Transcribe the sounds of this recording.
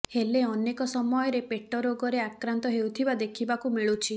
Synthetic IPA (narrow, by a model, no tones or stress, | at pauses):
heleɔnekɔsɔmɔjɔɾepeʈɔɾoɡɔɾeakɾant̪ɔɦewt̪ʰibad̪ekʰibakumiɭut͡ʃʰi